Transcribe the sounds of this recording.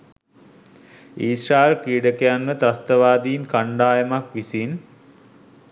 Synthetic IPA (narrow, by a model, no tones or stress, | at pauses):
iːsɾaːelkiːɖəkejanmət̪ast̪əʋaːd̪iːnkaɳɖaːjəmakʋisin